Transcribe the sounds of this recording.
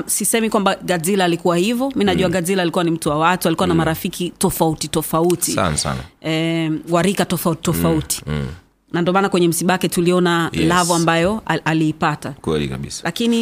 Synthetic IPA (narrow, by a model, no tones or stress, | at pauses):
sisɛmikwambaɡazilaːlikuwahivɔminaʄuaɡazilaːlikuwanim̩tuwawatualikuwanamaɾafikʰitɔfautitɔfautia̰nsa̰n̰ɛwaɾikatɔfautɔfauti̥ | nandɔmaːnakwɛɲɛm̩siɓaakɛtuliɔnalavɔambajɔaliːpatakwɛ̰lḭka̰ɓḭsḁlakini